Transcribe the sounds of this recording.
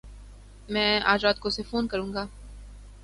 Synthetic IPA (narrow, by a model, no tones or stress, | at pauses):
mɛ̃ːa̰ːd͡ʒɾaːt̪̚kosefoːnkɐɾũːŋɡaː